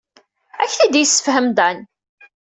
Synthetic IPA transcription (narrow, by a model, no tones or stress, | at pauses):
æçθæd̪ijsːə̥fhəmd̪æn